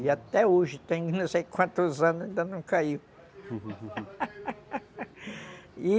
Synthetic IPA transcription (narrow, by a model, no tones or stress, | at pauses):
jat̪euʃit̪ẽŋɡnũsekʷãnt̪uzãnd̪ẽnd̪anũkaju | i